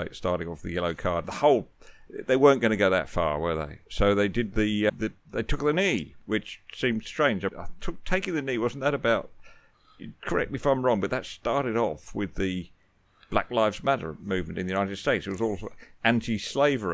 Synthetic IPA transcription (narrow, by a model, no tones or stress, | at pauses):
ɪtstɑɹɾɪ̃ŋɔfðɨjɛlˠoʊkʰɑɹd̪̚ðəhoʊlˠðeɪwɜ̃˞nɡ̥ʌnɨɡoʊðɨ̰tfɑ̰ɹwə˞ðḛɪsoʊðeɪdɨd̪̚ðiðɨ | ðeɪtʰʊk̚ðɨniwɨt͡ʃsĩm̥stɹ̥ẽɪ̃nd͡ʒãtʰʊk̚tʰeɪkɪ̃ŋðɨniwʌzn̩ðɨɾɨbaʊt̚ | ɨkʰə˞ɛk̚mifãɪ̃mɹɔ̃ŋbʌt̪̚ðɨtstɑɹɾɨɾɔfwɪðɨ | b̥læ̰klaɪfzmæɾə̰˞mʉvmɨ̃ntɨ̃nðɨjʉnaɪɾɨd̥steɪtsɨt̚wʌzɔlˠsæ̃ntʰisleɪvə˞